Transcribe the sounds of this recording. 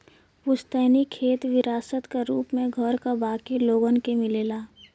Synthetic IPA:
ʋʊst̪ɛːnikʰeːt̪ʋɪɾaːsət̪kaɾuːpmẽɡʱɔɾkabaːkiloːɡənkemɪleːlaː

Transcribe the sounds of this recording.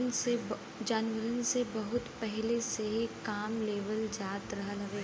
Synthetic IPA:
nse | d͡ʒaːnʋəɾənsebɐɦʊt̪pɛɦlesekaːmleːʋəld͡ʒaːt̪ɾɐɦlɐɡeː

